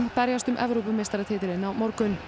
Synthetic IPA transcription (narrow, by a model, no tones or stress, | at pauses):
mpɛɾjast̪ʏmʔɛvɾowpʏmːeːst̪aɾat̪ʰeːt̪ɪɾɪnːawmɔɾkʏn